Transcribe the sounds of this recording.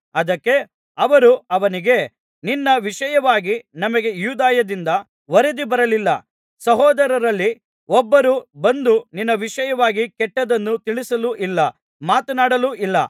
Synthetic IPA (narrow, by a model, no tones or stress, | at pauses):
ɐd̪ɐkːe̞ | ɐʋɐɾuɐʋɐniɡe̞ | ninːɐʋiʂɐjɐʋaːɡinɐmɐɡe̞juːd̪aːjɐd̪ind̪ɐ | ʋɐɾed̪ibɐɾɐlilːɐ | sɐɦɔːd̪ɐɾɐɾɐlːi | ɔbːɐɾubɐnd̪uninːɐʋiʂɐjɐʋaːɡikɛʈːɐd̪ɐnːut̪iɭisɐluʔilːɐ | maːt̪ɐnaːɽɐluʔilːɐ̰